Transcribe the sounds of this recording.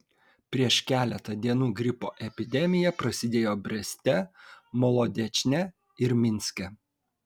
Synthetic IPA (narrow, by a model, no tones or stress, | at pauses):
pʲɾʲiɛʃkʲæːlʲɛt̪ɐd̪ʲiɛnuːɡɾʲɪpoːʔɛpʲɪd̪ʲɛmʲɪjɛpɾɐsʲɪd̪ʲeːjoːbʲɾʲɛsʲt̪ʲɛmɔlˠɔd̪ʲɛt͡ʃʲnʲɛ | ɪɾmʲɪnʲsʲkʲɛ